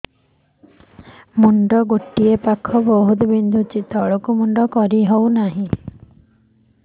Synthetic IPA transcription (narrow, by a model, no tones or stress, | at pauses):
muɳɖɔɡoʈiepakʰɔbɔɦut̪ɔbind̪ʱut͡ʃit̪ɔɭɔkumuɳɖɔkɔɾiɦownaɦĩ